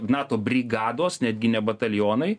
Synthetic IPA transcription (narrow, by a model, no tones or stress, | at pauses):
nɑːt̪oːbʲɾʲiɡɑːd̪oːsnʲæːd̪ʲɡʲɪnʲɛbɐt̪ɐlʲjoːnɐɪ